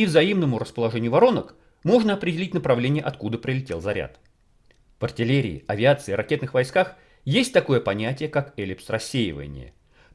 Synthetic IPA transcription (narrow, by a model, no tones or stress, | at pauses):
ivzɐimnəmʊɾəspəlˠɐʐɛnʲɪjʊvɐɾo̞nək | mo̞ʐnəɐpɾʲɪdʲɪlʲitʲnəpɾɐvlʲenʲɪjəʔɐt̪kud̪əpɾʲɪlʲɪtʲe̞lˠzɐɾʲa̰t̪ | v̥ɐrtʲɪlʲeɾʲɪ̰ɪ̰ɐvʲɪat̪sɨɪɾɐkʲe̞t̪nɨxvɐjskax | jesʲtʲt̪ɐko̞jəpɐnʲætʲɪjəkakɛlʲɪpsrɐsʲːejɪ̰və̰nʲɪ̰jə̰